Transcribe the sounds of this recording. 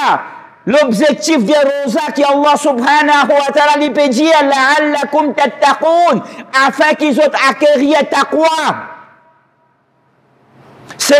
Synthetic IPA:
lɔbʒek̚t̪ifd̪eɾozakiɑlˠˤːɑsubħaːnaɦuwat̪aːlaliped̪ilaʕalːakʊmt̪at̪ːaquːnafɛ̃kizot̪akeʁijat̪aqwa | se

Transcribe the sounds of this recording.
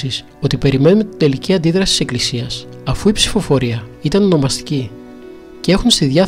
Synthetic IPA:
is | o̞t̪ipe̞ɾime̞nunt̪id̪e̞liciɐnd̪iðɾɐsi̥t̪ise̞klisiɐs | ɐfuipsi̥fo̞fo̞ɾiɐit̪ɐnono̞mɐst̪i̥ci | cee̞xunst̪iðʝɐ

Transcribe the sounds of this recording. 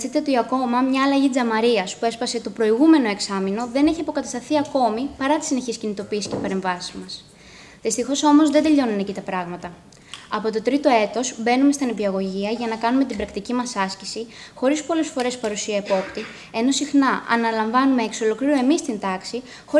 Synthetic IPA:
it̪eo̞t̪iɐko̞mɐmɲɐːlɐʝid͡zɐmɐɾiɐspue̞spɐse̞t̪o̞pɾo̞iɣume̞no̞e̞ksɐmino̞ðe̞ne̞çiɐpo̞kɐt̪ɐst̪ɐθiɐko̞mipɐɾɐt̪i̥sine̞çiscinit̪o̞piːsi̥ce̞pɐɾe̞ɱvɐsizmɐs | ðist̪ixo̞so̞mo̞zðed̪e̞ʎo̞nunecit̪ɐpɾɐɣmɐt̪ɐ | ɐpo̞t̪o̞t̪ɾit̪o̞e̞t̪o̞sbe̞numest̪ɐnepiɐɣo̞ʝiɐʝɐnɐkɐnume̞t̪ibɾɐkt̪icimɐsɐscisixo̞ɾispo̞lesfo̞ɾe̞spɐɾusiɐepo̞pt̪i | e̞no̞sixnɐʔɐ̰nɐlɐɱvɐnumeːkso̞lo̞kliɾoe̞mist̪int̪ɐksi | xo̞

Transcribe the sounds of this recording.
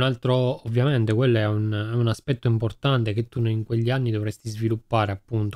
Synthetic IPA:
nalt̪ɾoːvːjament̪ekwelːoɛunɛunaspɛt̪ːoimport̪ant̪ek̟et̪ːuniŋkweʎːianːid̪ovɾɛst̪izvilupːaːɾeapːunt̪o̥

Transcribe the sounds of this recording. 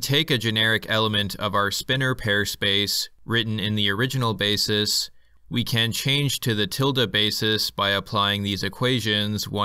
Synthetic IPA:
tʰeɪkɨd͡ʒɨnɛɹɨkʰɛlˠəmɨ̃ntʰʌ̰vaʊə˞spɪ̃nə˞pʰɛɹspeɪsɹɪʔn̩ɪ̃nðiə˞ɪd͡ʒɨn̩l̩ˠbeɪsɨs | wikʰɨ̃nt͡ʃʰẽɪ̃nd͡ʒ̥tʰɨðɨtʰɪlˠdɨbeɪsɨsb̥aɪɨpʰl̥aɪɪ̃ŋðizɨkʰw̥eɪʒɨ̃nzwã

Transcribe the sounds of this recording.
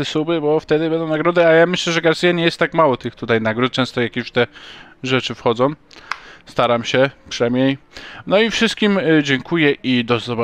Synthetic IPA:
ɛsubɘbɔft̪ɛd̪ɘbɛnd̪ɔ̃wnaɡɾɔd̪ɘajamɘɕlɛʐɛɡaɾsʲijaɲɛjɛst̪ːakmawɔt̪ɘxt̪ut̪ajnaɡɾut̪̚t͡ʃɛ̃st̪ɔjakʲeɕt̪ɛ | ʐɛt͡ʂɘfxɔd̪zɔ̃w̃st̪aɾamɕɛkʂɛmʲjejnɔifʂɘst̪kʲimd͡ʑɛŋkʰujɛʔid̪ɔzɔba

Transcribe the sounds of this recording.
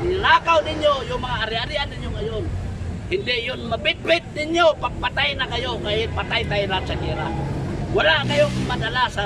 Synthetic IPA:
ɪlakawnɪɲjojʊŋmaŋaːɾiaɾiandɪɲjʊŋajʊŋhɪndɪjʊnmabɪt̪̚bɪt̪̚dɪɲjopaɡ̚pat̪ajnakajoŋajpat̪ajt̪ajɾat͡ʃaniɾa̰walaʔkajʊŋmadalasa

